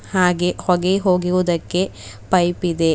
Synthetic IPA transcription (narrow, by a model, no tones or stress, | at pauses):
haːɡehɔɡeɦoːɡiʋud̪ɐkːe̞ | pɐjpid̪e̞